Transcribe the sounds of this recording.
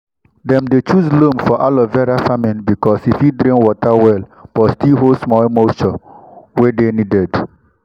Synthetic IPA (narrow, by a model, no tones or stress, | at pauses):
dɛ̃mdet͡ʃuzlomfɔʔalɔvɛɾafamĩnbikɔsifjidɾĩŋwɔtawɛlb̥ɔstilɦolsmɔlmoʃɔwedenidɛd